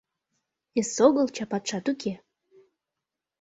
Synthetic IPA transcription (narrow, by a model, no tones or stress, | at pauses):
esoɣəlt͡ɕɑpɑt̪ʃɑt̪ukʰe